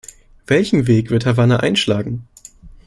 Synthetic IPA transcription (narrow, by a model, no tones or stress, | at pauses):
v̥ɛlçn̩veːkv̥ɪɐthavanaʔa̰ɪnʃlaːɡŋ̩